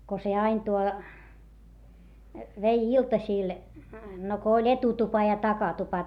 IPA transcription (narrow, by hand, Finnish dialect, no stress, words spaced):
ko se ɑin tuo ʋei iltɑsiˑl no ko olʲ etutupɑ jɑ tɑkɑtupɑ